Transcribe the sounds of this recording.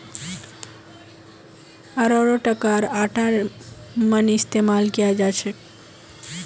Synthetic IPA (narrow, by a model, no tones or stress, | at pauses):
əɾɔɾoʈəkaɾaʈaɾ | mənɪst̪emalkijad͡ʒajt͡ʃʰe